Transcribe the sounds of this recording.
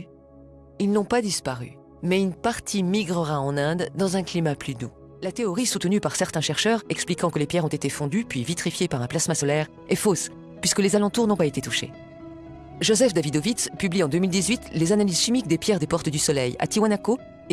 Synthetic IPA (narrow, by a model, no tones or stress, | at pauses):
ilnɔ̃pad̪ispaʁy̰ | mɛynpaʁt̪ʰimiɡʁəʁaɑ̃nɛ̃d̪ːɑ̃zɛ̃klimaplyd̪u | lat̪eɔʁisut̪nypaʁsɛʁt̪ɛ̃ʃɛʁʃœʁɛksplikɑ̃kəlepjɛʁɔ̃t̪et̪efɔ̃d̪ypɥivit̪χifjepaʁɛ̃plasmasɔlɛʁ | ɛfos | pɥiskəlezalɑ̃t̪uʁnɔ̃paet̪et̪uʃḛ | ʒozɛfd̪avid̪ovit̪spybliɑ̃d̪ømild̪izɥit̪lezanaliz̥ʃimikd̪epjɛʁd̪epɔʁt̪əd̪ysɔlɛja̰t̪iwanako